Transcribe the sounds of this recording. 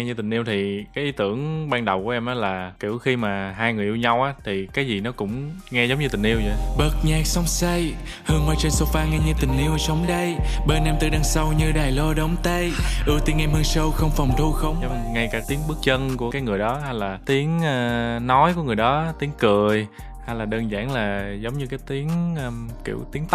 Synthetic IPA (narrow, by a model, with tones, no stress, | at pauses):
ŋɛ˧ɲɨ˧t̪ï˨˩ŋ̟ʔi˧əwt̪ʰi˨˩kaː˨˦jʔi˨˦˥t̪ɨ˧˩əŋɓaː˧ŋɗə˨˩wku˧˩əʔɛ˧mʔaː˨˦laː˨˩ki˧˩əwxi˧maː˨˩ɦaː˧jŋɨ˨˩əjʔi˧wɲa˧wʔaː˨˦t̪ʰi˨˩kaː˨˦jzi˨˩nɔ˨˦kʊ̰˧˥ŋ͡mŋɛ˧zə˨˦ŋ͡mɲɨ˧t̪ï̟˨˩ʔi˧əwzɔ̰˧˨˩jɓə˨˩t̚ɲaː˨˩k̚sə˨˧wŋ͡msə˧jhɨ˨˩əŋə˨˧˩jt͡ɕe˧nso˧faː˧ŋɛ˧ɲɨ˧t̪ï˨˩ŋ̟ʔi˧əwsə˨˦wŋ͡mɗə˧jɓe˧nʔɛ˧mt̪ɨ˧˩ɗə˧˩nsa˧wɲɨ˧ɗaː˨˩jlo˧ɗə˨˦wŋ͡mt̪ə˧jʔɨ˧˩əwt̪i˧˦ənʔɛ˧mhə˧ŋsə˧wxə˧wŋ͡mfɔ˨˩wŋ͡mt̪ʰu˧xə˧wŋ͡mŋ͡mŋa˧jkaː˧˩t̪i˨˦əŋɓɨ˦˥k̚t͡ɕə˧nku˧˩əkaː˨˦jŋɨ˨˩əjɗɔ˨˦ɦa˧jlaː˨˩t̪i˨˦əŋː˧nɔ˨˦jku˧˩əŋɨ˨˩əjɗɔ˨˦t̪i˨˦əŋkɨ˨˩əj | ha˧jlaː˨˩ɗəː˧nza̰ː˧˩nlaː˨˩zə˨˦wŋ͡mɲɨ˧kaː˨˦jt̪i˨˦ənː˧kḭ˧˩əwt̪i˨˦əŋt̪